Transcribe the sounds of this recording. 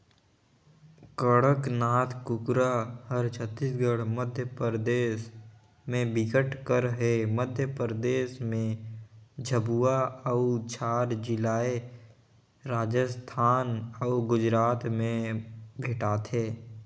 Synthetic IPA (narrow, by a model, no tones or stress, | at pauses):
kəɽəknaːt̪ʰkʊkɾahəɾt͡ʃʰət̪ːisɡəɽməd̪ʱjəpɾd̪eːs | mẽbɪkəʈkəɾɦeməd̪ʱjəpɾd̪eːʃmẽ | d͡ʒʱəbuaəʊt͡ʃaːɾd͡ʒɪlaːe | ɾaːd͡ʒəst̪ʰaːnəʊɡʊd͡ʒɾaːt̪mẽbʱeːʈaːt̪ʰeː